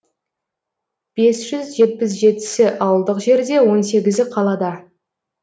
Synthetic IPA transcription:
b̥e̞sʒ̥ʏzʒe̞t̪̚pɪs̬ʒe̞t̪ɪ̥sɪʔɑwəlˠd̪əqʒe̞ɾd̪e̞wo̞nse̞ɡʲɪzɪqʰɑlˠɑd̪ɑ

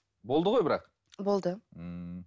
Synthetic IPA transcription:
bo̞lˠd̪əʁo̞jbɪɾɑ̰q | bo̞lˠd̪ə

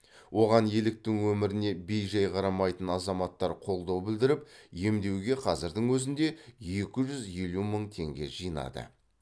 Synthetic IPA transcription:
wʔo̞ʁɑnje̞lɪk̚t̪ɪŋwɵmɪɾɪne̞bejʒɑjqʰɑɾɑmɑjt̪ənɑzɑmɑt̪ːɑɾqʰo̞lˠd̪ɑwbɪld̪ɪɾɪp̚je̞md̪e̞wɡʲe̞qʰɑzɪɾd̪ɪŋwɵzɪnd̪e̞je̞kʲɪʒʏzje̞luməɴt̪ʰe̞ŋɡʲe̞̰ʒijənɑ̰d̪ə̰

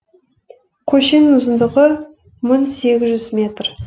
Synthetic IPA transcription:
kʲʰɵʃe̞nmʊzənd̪əʁə | mʊnse̞ɡʲɪzʒʏzmʲe̞t̪r

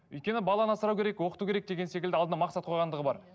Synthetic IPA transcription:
ʏ̰jt̪̚kʲe̞nɪbɑlˠɑnɑsəɾɑwkʲeɾe̞kwo̞qə̥t̪ukʲeɾek̚d̪e̞ɡʲese̞kʲɪld̪ɪɑlˠd̪ənɑmɑqsɑt̪qʰo̞jʁɑnd̪əʁəbɑ̰ɾ

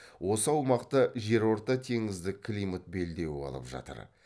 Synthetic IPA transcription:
wʔo̞səɑwmɑqt̪əʒe̞ɾwo̞ɾt̪ɑt̪ʰe̞ŋɪzd̪ɪkʰlʲijmət̪̚be̞ld̪e̞wɪɑ̰lˠə̰pʒɑ̰t̪ə̰ɾ

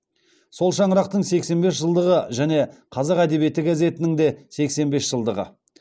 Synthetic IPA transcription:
so̞lˠʃɑɴəɾɑq̚t̪əɴse̞kse̞nbe̞sʒəlˠd̪əʁəʒæne̞qʰɑzɑqæd̪e̞bije̞t̪ːɪɡaze̞t̪ɪnɪŋd̪e̞se̞kse̞nbe̞sʒ̥əlˠd̪əʁə̰

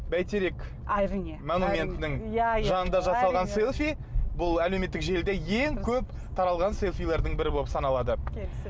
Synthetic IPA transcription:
bæjt̪ʰeɾe̞k | monumʲe̞nt̪ɪnɪŋʒɑnənd̪ɑʒɑsɑlˠʁɑnse̞lˠfi | bʊlˠæle̞wme̞t̪ːɪkʒe̞ld̪eje̞ŋkʲʰɵp | t̪ʰɑɾɑlˠʁɑnse̞lˠfijlˠeɾd̪əŋbɪɾɪbolˠəpsɑnɑlˠɑd̪ə

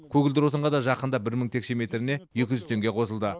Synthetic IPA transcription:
kʲʰɵɡʲɪld̪ɪɾwot̪əɴʁɑd̪ɑʒɑqənd̪ɑbɪɾməɴt̪ʰe̞kʃe̞me̞t̪ɾɪne̞je̞kʲɪʒʏzt̪ʰe̞ŋɡʲe̞qʰo̞səlˠd̪ə

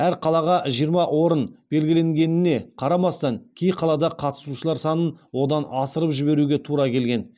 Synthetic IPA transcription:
æɾqʰɑlˠɑʁɑʒijəɾmɑwo̞ɾənb̥e̞lɡʲɪle̞ŋɡʲe̞nɪne̞qʰɑɾɑmɑst̪ɑŋkʲʰejqʰɑlˠɑd̪ɑqʰɑt̪ə̥suʃəlˠɑɾsɑnənwo̞d̪ɑnɑsəɾəpʒɪbe̞ɾuɡʲe̞t̪ʰuɾɑkʲʰe̞lɡʲe̞n

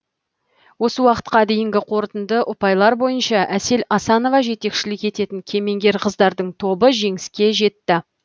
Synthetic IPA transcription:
wo̞səwɑqə̥t̪̚qɑd̪e̞jɪŋɡʲɪqʰo̞ɾt̪ənd̪əʔʊpɑjlˠɑɾbo̞jənʃɑʔæse̞lɑsɑno̞vɑʒe̞t̪e̞kʃɪlɪke̞t̪e̞t̪ɪŋkʲʰe̞me̞ŋɡʲe̞ɾqʰəzd̪ɑɾd̪əɴt̪ʰo̞bəʒe̞ŋɪskʲe̞ʒe̞t̪ːɪ

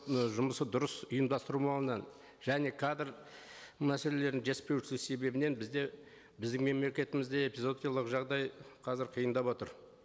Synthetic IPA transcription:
ʒʊməsəd̪ʊɾəsʊjəmd̪ɑst̪əɾumɑlˠənɑn | ʒ̥æne̞kʰad̪ɪɾ | mæsele̞le̞ɾd̪ɪŋʒespe̞wʃɪlɪkse̞be̞bɪne̞nbɪzd̪e̞ | bɪzd̪ɪŋme̞mle̞kʲe̞t̪ɪmɪzd̪e̞epizo̞d̪ijalˠəqʒɑʁd̪ɑjqʰɑzɪɾqʰijənd̪ɑpwo̞t̪əɾ

